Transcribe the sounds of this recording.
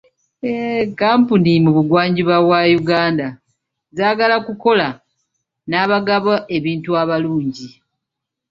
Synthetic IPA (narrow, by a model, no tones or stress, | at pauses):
ekaːmpunimuβuɡwaːɲɟiβaβwajuɡaːnda | zaːɡalakuko̞la | naːβaɡaβaʔe̞βiːntuaβaluːɲɟi